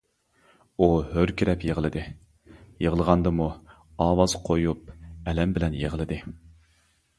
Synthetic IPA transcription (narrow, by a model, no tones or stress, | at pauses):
uhøɾkʲʰiɾɛpjeʁəlˠɨd̪ɨ | jeʁəlˠəʁɑnd̪ɨmu | ɑːwɑz̥qʰojup̚ɛlɛmbɪlɛnjeʁəlˠɨd̪ɨ